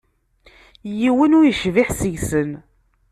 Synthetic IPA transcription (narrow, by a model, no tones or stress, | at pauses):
jiwənʊɾjəʃviħsəʝsən